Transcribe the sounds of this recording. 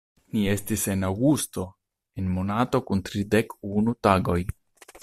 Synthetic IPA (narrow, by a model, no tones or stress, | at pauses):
nie̞stise̞nawɡusto̞ | e̞nmo̞nato̞kuntɾide̞kunutaɡo̞j